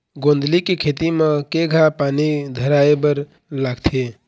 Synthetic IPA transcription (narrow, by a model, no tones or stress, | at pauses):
ɡõnd̪ʱlikekʰet̪imẽkeɡʱapanid̪ʱəɾaebəɾ | laɡt̪ʰe